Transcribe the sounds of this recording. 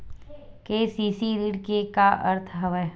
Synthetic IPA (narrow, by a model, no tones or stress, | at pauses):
keːsiːsiɾiɽkekaʔɐ̰ɾt̪ʰɦɐʋəj